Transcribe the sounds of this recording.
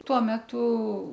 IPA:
ˈtuɔ ˈmʲæːtʊ

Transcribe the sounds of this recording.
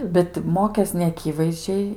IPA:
bʲɛt ˈmoːkʲeːs nʲɛɐˈkʲiːʋɐɪzʲd͡ʒʲɛɪ

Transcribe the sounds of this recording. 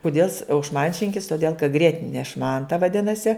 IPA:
kʊˈdʲeːlˠ ɪs ɐʊ ʃˈmɐnʲt͡ʃʲɪŋʲkʲɪs toːˈdʲeːlˠ kɐ ˈɡrʲiɛtʲɪnʲɛ ˈʃmɐntɐ ʋɐˈdʲɪnɐsʲɪ

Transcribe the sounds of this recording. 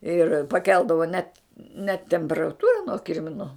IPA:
ɪr pɐˈkʲɛlˠdɐʋoː nʲɛt nʲɛt tʲɛmʲpʲɛrɐˈtuːrɐ nuɔ ˈkʲɪrʲmʲɪnʊ

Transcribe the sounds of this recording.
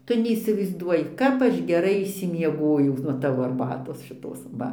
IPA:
ˈtʊ nʲɛiːsʲɪʋɐɪzˈduɔjɪ ˈkɐp ɐʃ ɡʲɛˈrɐɪ ɪʃʲsʲɪmʲiɛˈɡoːjɛʊ nuɔ ˈtɑːʋoː ɐrˈbɑːtoːs ʃʲɪˈtoːs ˈʋɐ

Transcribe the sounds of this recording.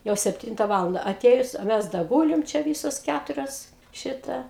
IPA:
jɛʊ sʲɛpʲˈtʲiːntɐ ˈʋɑːlˠɐndɐ ɐˈtʲeːjʊs ɐ ˈmʲɛs dɐ ˈɡuːlʲɪm t͡ʃʲɛ ˈʋʲiːsoːs ˈkʲætʊrʲoːs ˈʃʲɪtɐ

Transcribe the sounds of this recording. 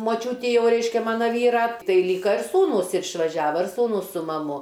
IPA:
moːˈt͡ʃʲuːtʲɪ ˈjɛʊ ˈrʲɛɪʃʲkʲɛ ˈmɑːnɐ ˈʋʲiːrɐ ˈtɐɪ ˈlʲiːkɐ ɪr ˈsuːnuːs ɪr ɪʃʋɐˈʒʲæːʋɐ ɪr ˈsuːnuːs sʊ mɐˈmʊ

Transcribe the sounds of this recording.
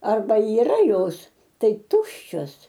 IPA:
ɐrˈbɐ iːˈrɐ ˈjoːs ˈtɐɪ ˈtʊʃʲt͡ʃʲoːs

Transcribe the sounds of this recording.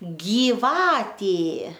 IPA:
ɡʲiːˈʋɑːtʲeː

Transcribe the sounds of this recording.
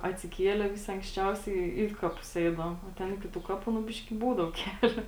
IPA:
ɐtʲsʲɪˈkʲiɛlʲɛ ˈʋʲɪsʲɪ ɐŋksʲˈt͡ʃʲɛʊsʲɛɪ ˈiː kɐˌpʊs ˈɛɪdɐʋoːm oː ˈtʲɛn ˈɪkʲɪ tuː ˈkɑːˌpuː nʊ ˈbʲɪʃʲkʲɪ ˈbuːdɐʋoː ˈkʲæːlʲoː

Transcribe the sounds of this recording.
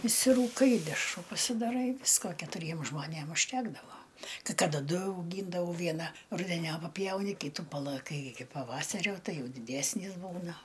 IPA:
ɪʃʲsʲɪruːˈkɐɪ ɪ dʲɛʃˈruː pɐsʲɪdɐˈrɐɪ ˈʋʲɪskoː kʲɛtʊˈrʲiɛm ʒmoːˈnʲeːm ʊʃʲˈtʲæːɡdɐʋoː kɐɪ ˈkɑːdɐ ˈdʊ ɐʊˈɡʲiːndɐʋɐʊ ˈʋʲiɛnɐ rʊdʲɛˈnʲoːp pɐˈpʲjɛʊnʲɪ ˈkʲiːtʊ pɐlˠɐˈkɐɪ ɪkʲɪ pɐˈʋɑːsɐrʲoː ˈtɐɪ ˈjɛʊ dʲɪˈdʲæːsʲnʲiːs ˈbuːnɐ

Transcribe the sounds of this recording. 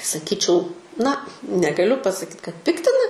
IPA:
sɐˈkʲiːt͡ʃʲɛʊ nɐ nʲɛɡɐˈlʲʊ pɐsɐˈkʲiːt kɐt ˈpʲɪktʲɪnɐ

